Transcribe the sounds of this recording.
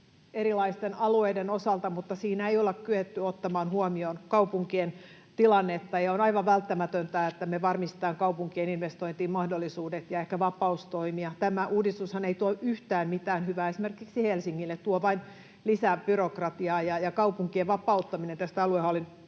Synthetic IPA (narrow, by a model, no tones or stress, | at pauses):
eɾilɑist̪enɑlueidenosɑlt̪ɑmut̪ːɑsiːnæeijolekkyet̪ːyot̪ːɑmɑːnhuomionkɑupuŋkien | t̪ilɑnːet̪ːɑjɑonɑiʋɑʋʋælt̪ːæmæt̪ønt̪æːet̪ːæmeʋɑrmist̪ĕ̥t̪ɑːŋkɑupuŋkieninʋest̪oint̪iːmmɑhdolːisuːdet̪jɑehkæʋɑpɑust̪oimiɑt̪æmæʔuːdist̪ushɑneit̪uoʔyht̪æːmmit̪æːnhyʋæːesimerkiksihelsiŋːilːet̪t̪uoʋɑin | lisæb̥yrokrɑt̪iɑːjɑjɑkɑupuŋkieʋʋɑpɑut̪ːɑminent̪æst̪æɑluehɑolin